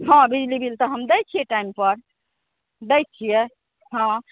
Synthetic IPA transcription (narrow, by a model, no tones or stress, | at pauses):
ɦãbid͡ʒlibilt̪ɔɦəmd̪əjt͡ʃʰijɛʈaimpəɾ | d̪əj̚t͡ʃʰije | ɦã